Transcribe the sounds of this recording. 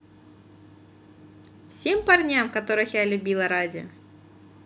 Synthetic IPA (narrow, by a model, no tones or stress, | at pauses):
fsʲempɐrnʲamkɐt̪o̞ɾɨxjalʲʊbʲilˠɐɾadʲɪɔ̰